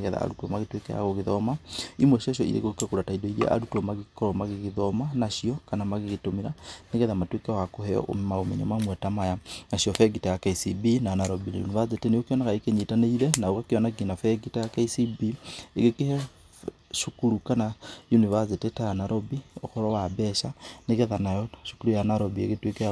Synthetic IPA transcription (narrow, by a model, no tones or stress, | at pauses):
ɣɛða̰a̰ɾutwɔmaɣetwekɛ̰ja̰ɣoɣeðɔmaimwɛʃeʃ̬ɔḭɾḛɣokekuɾataidɔiɾiḛʔa̰ɾutwɔmaɣekɔɾɔmaɣeɣeðɔmanaʃiɔkanamaɣeɣetomiɾaneɣɛðamatwekɛwakohɛɔ̰ʔo̰maomḛɲomamwɛtamajanaʃiɔfɛɡitejakaisibinanaɾobina̰jṵnivaeteneokeɔnakaekeɲitaneiɾɛnaoɣakeɔnaɡinafɛɡitejakaisibieɣekehɛ | ʃukuɾukanajunivassetetaanaɾʔobioxɔɾɔwabɛʃaneɣɛðanajɔʃu̥kuɾujanaɾobiḛɣetwekɛ